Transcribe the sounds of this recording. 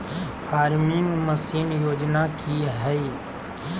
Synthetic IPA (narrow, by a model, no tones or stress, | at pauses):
pʰaːɾmɪŋməsiːnjoːd͡ʒnakiɦɛi